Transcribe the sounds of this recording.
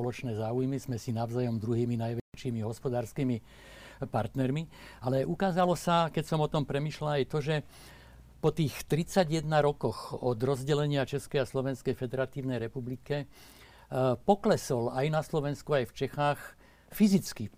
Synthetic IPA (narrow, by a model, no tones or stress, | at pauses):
ɔlɔt͡ʃnɛːzaːujmizmɛsinaʊzajɔmd̪ɾuɦiːminajʋɛt͡ʃiːmiɦɔspɔd̪aːɾskiːmi | paɾt̪nɛɾmialɛʔukaːzalɔsakɛcsɔmɔt̪ɔmpɾɛmiːʃlaajt̪ɔʒɛ | pɔt̪iːxt̪ɾit͡saɟjɛd̪naɾɔkɔxɔd̪ɾɔzɟɛlɛɲɪat͡ʃɛskɛjaslɔʋɛnskɛjfɛd̪ɛɾat̪iːʊnɛjɾɛpublikɛ | pɔklɛsɔlajnaslɔʋɛnskuajft͡ʃɛxaːx | fizit͡ski